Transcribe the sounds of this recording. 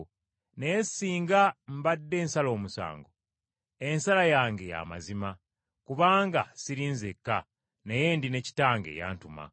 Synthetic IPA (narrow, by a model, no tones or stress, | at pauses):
nejesiːŋɡam̩badːe̞ːnsalo̞ːmusa̰ːŋɡo | e̞nsalajaːŋɡe̞ja̰ma̰zima | kuβaːŋɡa̰siɾiːnzekːa | neje̞ːndine̞ci̥taːŋɡe̞̰ja̰ːntuma̰